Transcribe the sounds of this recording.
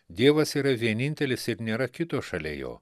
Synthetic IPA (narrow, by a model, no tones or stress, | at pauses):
d̪ʲiɛʋɐsiːɾɐʋʲiɛnʲɪnʲt̪ʲɛlʲɪsɪɾnʲeːɾɐkʲɪt̪oːʃɐlʲḛːjo̰ː